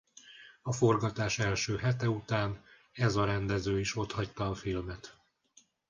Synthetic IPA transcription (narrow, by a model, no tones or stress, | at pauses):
ɒfo̞rɡɒt̪aːʃɛlʃøːɦɛt̪ɛut̪aːn | ɛzɒɾɛnd̪ɛzøːiʃo̞t̪hɒct̪ɒːfilmɛt̪